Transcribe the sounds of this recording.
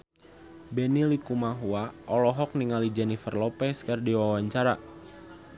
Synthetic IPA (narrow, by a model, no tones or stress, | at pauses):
bɛnilikumaɦuaʔɔlɔɦɔk̚niŋalid͡ʒɛnifərlɔpɛskərdiwawaɲt͡ʃaɾa